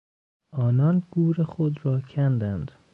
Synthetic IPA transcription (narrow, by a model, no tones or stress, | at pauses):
ʔɒːnɒːnɡuːɾexod̪ɾɒːcʰænd̪ænd̪̥